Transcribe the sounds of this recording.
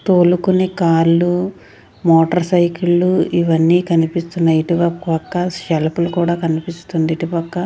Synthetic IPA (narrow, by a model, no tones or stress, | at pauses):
t̪oːlukuneːkaːɾlu | mɔːʈɐɾsɐjkilːuiʋɐnːiːkɐnipist̪unːɐiʈipɐpɐkːɐʃɛlpulukuːɽaːkɐnipist̪und̪iʈipɐkːɐ